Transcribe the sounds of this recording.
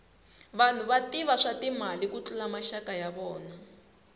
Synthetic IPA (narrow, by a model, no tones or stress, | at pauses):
βan̤uβatiβaʂatimalikut͡ɬulamaʃakajaβɔːna